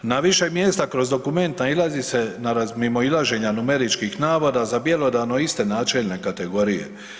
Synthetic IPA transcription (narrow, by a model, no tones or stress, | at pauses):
naʋiʃe̞mjeːst̪akɾo̞zd̪o̞kume̞nt̪nailˠazise̞naɾazmimo̞ilaʒe̞ɲanume̞ɾit͡ʃkixnaːʋod̪azabje̞lo̞d̪ano̞ist̪e̞naːt͡ʃe̞ʎne̞kat̪e̞ɡo̞ɾijḛ